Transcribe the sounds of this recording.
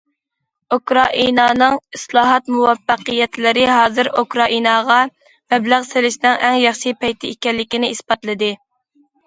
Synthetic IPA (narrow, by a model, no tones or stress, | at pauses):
ukɾɑʔḭnɑːnɨŋislˠɑːɦɑt̪muwɑfːæqɨjɛt̪lɪɾɪɦɑːzɨɾukɾɑʔinɑʁɑ | mɛblæʁselɪʃnɪŋæŋjɑχʃipʰɛjt̪ʰɪekʲɛlːɪkʲinɪisbɑt̪lˠɨd̪ɨ